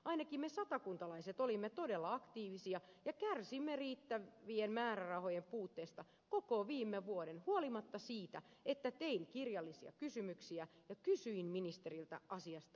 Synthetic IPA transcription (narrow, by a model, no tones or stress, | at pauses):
ʔɑinɑkimmesɑt̪ɑkunt̪ɑlɑiset̪olimːet̪odelːɑɑkt̪iːʋisiɑjɑkærsimːeriːt̪ːæʋienmæːrærɑhojempuːt̪ːeːst̪ɑ | kokoʋiːmːeʋuodenhuolimɑt̪ːɑsiːt̪æ̰et̪ːæt̪eiŋkirjɑlːisiɑ̰kysymyksiæjɑkysyinminist̪erilt̪æ̰ʔɑsiɑst̪ɑ